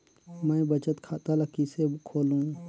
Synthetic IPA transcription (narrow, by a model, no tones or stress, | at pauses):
mɛ̃ːbət͡ʃət̪kʰaːt̪aləkisekʰoːlũː